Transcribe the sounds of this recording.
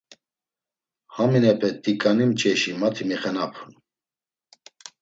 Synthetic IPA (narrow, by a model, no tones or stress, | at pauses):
haminɛpʰɛt̪ːikʼanimt͡ʃʼɛʃimat̪ʰimɛχɛnapʰun